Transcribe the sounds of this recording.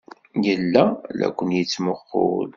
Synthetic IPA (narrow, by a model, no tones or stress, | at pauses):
jəlːælæ̰kʷːənjit͡sːməχːo̰l